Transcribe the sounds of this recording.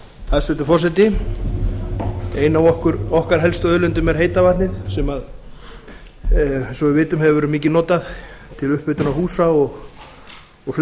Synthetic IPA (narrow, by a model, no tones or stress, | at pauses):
θaðsvɛt̪ʏ̥fɔrs̬ɛjt̪ɪ | ejnawɔhkʏɾɔhkaɾ̥ɦɛlst̪œœðlʏnt̪ʏmɛɾ̥ɦejt̪avat̪nɪðsɛmað | sɔɪvɪːt̪ʏmɦɛvʏvɛɾʏmiːcɪnɔːt̪aðt̪ʰɪlʏhpʏt̪ʏnawhuːsaɔɣ | ɔɣfl